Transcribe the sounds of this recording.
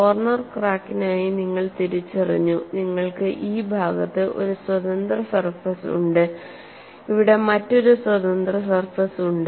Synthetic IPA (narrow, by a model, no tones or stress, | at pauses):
ʋɐrnɐrkraːkːinaːjiniŋːɐɭt̪iɾit͡ɕːɐrḭɲːuniŋːɐɭkɨʔiːbʱaːɡɐt̪ːɨʔo̞̰ɾuswɐd̪ɐnd̪rɐsɐrfɐsṵɳɖɨ | iʋiɽe̞mɐtːo̞ɾuswɐd̪ɐnd̪rɐsɐrfɐsuɳɖɨ